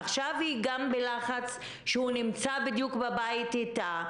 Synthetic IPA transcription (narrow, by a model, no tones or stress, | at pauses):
aχʃavhiɡambelaχat͡s | ʃehunimt͡sabid̪jukbabaitita